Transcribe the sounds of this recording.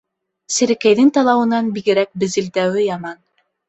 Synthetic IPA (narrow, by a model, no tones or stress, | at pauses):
sɘ̆ɾɘ̆kæjðɘŋt̪ɑlˠɑwɤ̆nɑnbiɣɘ̆ɾæk̚bɘ̆zɘ̆ld̪æwɘjɑmɑn